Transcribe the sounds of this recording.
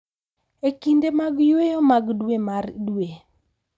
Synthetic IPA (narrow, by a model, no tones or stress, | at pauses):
ekindemaɡjwejɔmaɡdwemardwe